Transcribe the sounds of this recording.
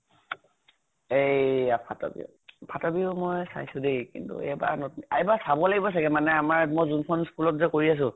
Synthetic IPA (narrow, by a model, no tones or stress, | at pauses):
ejapʰatɔ̰bḭ | pʰatɔbiʊmɔjsa̰jsʊdejkḭntṵɛ̰jba̰nɔtajbasabɔlaɡibɔsaɡɛmanɛamaɹmɔjzunkʰɔnskulɔtzɛkoɹias̬ʊ̃